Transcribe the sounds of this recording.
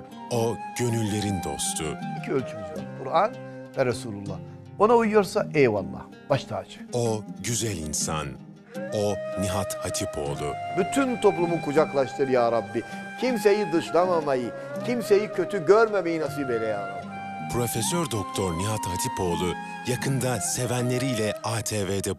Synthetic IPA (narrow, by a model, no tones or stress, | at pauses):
oɟ̥ønylʲːe̞ɾind̪o̞̰st̪ʰuicʰiølʲt͡ʃʰymyzva̰ɾkʰuɾanvɛɾesuːlʲulˠːa̰h | o̞naujjo̞ɾsaʔejvalːˠa̰ | b̥aʃt̪ʰaːt͡ʃʰɯ̥koɟyzælʲinsa̰n | oniɦat̪hat̪ʰipʰo̞̰ːlˠubyt̪ʰynt̪ʰo̞plˠumukud͡ʒaklˠaʃt̪ʰɯɾjaːɾabːi | cʰimse̞jid̪ɯʃlˠamamajɯ | cʰimse̞jicʰø̞t̪ʰyɟøɾme̞mejinas̬ibelʲejalˠa | pʰɾo̞fesøɾd̪ok̚t̪ʰoɾniɦat̪hat̪ʰipo̞ːlˠu | jakʰɯnd̪ase̞vænlʲeɾiːlʲɛaːt̪ʰeːved̪ɛ